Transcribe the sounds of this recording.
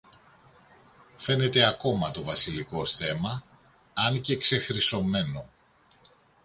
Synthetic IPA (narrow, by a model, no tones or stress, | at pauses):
fe̞ne̞t̪e̞ɐko̞mɐt̪o̞vɐsiliko̞sθe̞mɐ | ɐncekse̞xɾiso̞me̞no̞